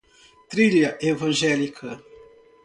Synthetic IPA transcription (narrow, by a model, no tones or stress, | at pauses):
t̪ɾiʎɐʔevɐ̃ʒɛlikʰɐ